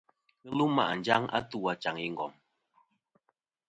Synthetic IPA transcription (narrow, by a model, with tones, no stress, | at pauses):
lu˦ma̰˦˨ʔn̩˨d͡ʒa˦ŋa̰˦tu˦˨a˨t͡ʃa˨ŋi˦ŋ˨ɡɔ̰˨m